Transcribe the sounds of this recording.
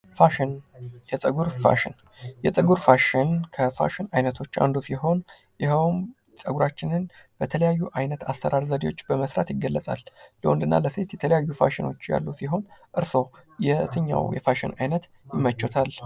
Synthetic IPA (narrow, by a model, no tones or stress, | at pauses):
faʃnjɛsʼəɡuɾfa̰ʃɪn | jɛt͡sʼɨɡuɾfaʃɪnkʰəfa̰ʃɪnajnət̪ʰo̞t͡ʃːa̰nd̪usiɦo̞n | jɪɦəwm | t͡sʼəɡuɾat͡ʃːɪnɨnb̥ət̪ʰələjajːuʔajnət̪asːəɾʔaɾzəd̪iwo̞t͡ʃːbəməsɾa̰t̪jɪɡːəlːəsʼa̰lləwənd̪ɨnːa̰ləse̞t̪jɛt̪ʰələjajːufaʃɪno̞̰t͡ʃːja̰lːusiɦo̞nʔɨɾso̞jɛt̪ʰɨɲːa̰wjɛfaʃɪnajnət̪ | jɪmːət͡ʃːot̪ʰal